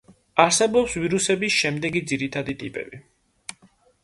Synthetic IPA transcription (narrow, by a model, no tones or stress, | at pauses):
aɾsɛbɔpsviɾusɛbisʃɛmd̪ɛɡid̪ziɾit̪ʰad̪it̪ʼḭpʼɛ̰bi